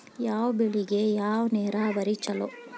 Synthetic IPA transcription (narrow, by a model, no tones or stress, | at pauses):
jaːʋɐbeɭiɡejaːʋɐneːɾaːbɐɾit͡ʃːɐlo̰